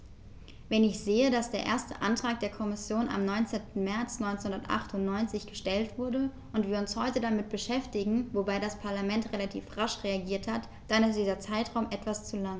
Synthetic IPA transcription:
vɛnɪçz̥eːədasd̥eːɐʔḛːɐstə̰ʔa̰ntʁ̥aːk̚d̥eːɐkʰɔmɪsjoːna̰mnɔʏnt͡seːntn̩mɛɐt͡snɔʏnt͡senhʊndɐtʔa̰χtʊntnɔʏnt͡sɪçɡ̥əʃtɛltv̥ʊɐdə | ʔʊntv̥iːɐʊnshɔʏtədamɪt̚b̥əʃɛftɪɡŋ̩vobaɪɾaspʰaɐlamɛntʁelatʰḭːfʁaʃʁeaɡiːɐthat | d̥anɛsd̥iːzɐt͡saɪtʁ̥aʊmʔɛtv̥ast͡sulaŋ

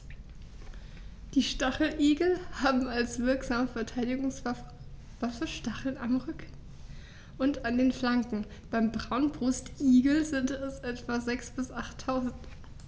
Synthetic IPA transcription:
d̥iːʃtaχl̩ʔiːɡl̩haːbm̩alsv̥ɪɐkz̥aːməfɛɐtʰaɪdɪɡʊŋs | vasɐʃtaχl̩namʁʏk | ʔʊntandeːnflaŋkŋ̩ | b̥aɪmbʁaʊnbʁʊstʔiːɡl̩zɪntɛsʔɛtv̥azɛksb̥ɪsʔaχtʰːaʊzn̩t

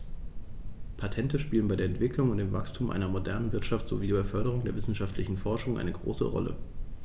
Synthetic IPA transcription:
pʰatʰɛntəʃpiːlənbaɪdeːɐɛntv̥ɪklʊŋʊntd̥eːmvakstʰuːmʔa̰ɪnɐmodɛɐnənvɪɐtʃaftz̥o̰viːdibafœɐɾəʁ̞ʊŋdeːɐvɪsn̩ʃaftʰlɪçn̩fɔɐʃʊŋʔa̰ɪnəɡʁo̰ːsə̰ʁɔ̰lə̰

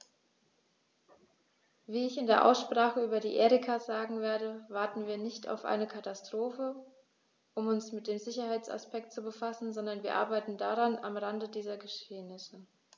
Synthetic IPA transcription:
viːɪçɪndeːɐʔa̰ʊsʃpʁ̥aːχəyːbɐdḭːʔeːʁɪkʰaz̥aːɡŋ̩veːɐdəvaɐtn̩viːɐnɪçtʰa̰ʊfʔa̰ɪnəkʰatastʁ̥oːfə | ʔʊmʊnsmɪt̚d̥eːmzɪçɐhaɪt͡sa̰spɛk̚tt͡subəfasn̩zɔndɐnviːɐʔa̰ɐbaɪtn̩daʁana̰mʁandədiːzɐɡəʃeːnɪsə

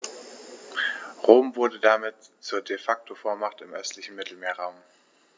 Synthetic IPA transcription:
ʁoːmvʊɐdədamɪtt͡suːɐdefak̚tʰofoːɐmaχtɪmʔœstlɪçn̩mɪtl̩meːɐʁaʊm

